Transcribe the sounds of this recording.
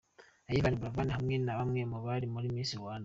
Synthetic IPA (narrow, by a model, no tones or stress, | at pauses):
ajiβaniβuɾavaːnihamŋenaβamŋemuβalimuɾimiːsiwaːna